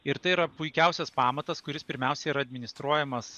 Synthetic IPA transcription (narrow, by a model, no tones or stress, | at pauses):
ɪɾt̪ɐɪiɾɐpʊɪkʲɛʊsʲɛspɑːmɐt̪ɐskʊɾʲɪspʲɪɾʲmʲɛʊsʲɛiːɾɐd̪ʲmʲɪnʲɪst̪ɾuɔjɛmɐs